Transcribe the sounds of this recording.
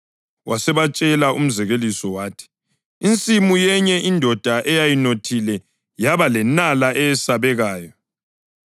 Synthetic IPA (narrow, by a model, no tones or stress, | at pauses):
wasɛβat͡ʃʼɛlaum̩zɛɣelisɔwaːtʰi̥ | int͡sʼimujɛɲɛʔindʱɔd̥ʱaʔɛjajinotʰilɛ | jaβalɛnalaʔɛɛsaβɛɣaːjɔ